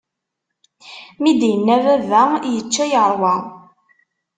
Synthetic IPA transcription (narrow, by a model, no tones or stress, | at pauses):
mid̪jənːævævæjət͡ʃːæjəɾˤwə